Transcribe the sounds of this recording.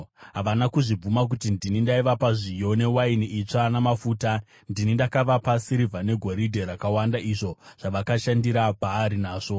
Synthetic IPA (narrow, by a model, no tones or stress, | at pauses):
ɦaʋanakuʐib͡vumak̬utindinindaiʋapaʐijo̞ne̞wainiʔit͡ʂanamafuːta | ndinindakaʋapasiɾivʱane̞ɡʱo̞ɾidʱe̞ɾakawandaʔiʐo̞ʐ̥aʋakaʃandiɾapaːɾinaːʐo̞